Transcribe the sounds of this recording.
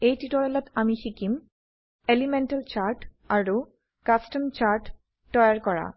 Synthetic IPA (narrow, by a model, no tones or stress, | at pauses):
ejtitɔɹɛlɔtamixikim | elimɛntalt͡ɕaɹʈ | aɹu | kastəmt͡ɕaɹʈː | ɔjaɹkɔɹa̰